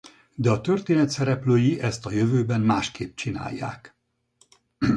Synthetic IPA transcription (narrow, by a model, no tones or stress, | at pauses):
d̪ɛɒt̪ø̞rt̪eːnɛt̪sɛɾɛpløːjiʔɛst̪ɒjøvøːbɛnmaːʃkeːp̚t͡ʃina̰ːjːa̰ːk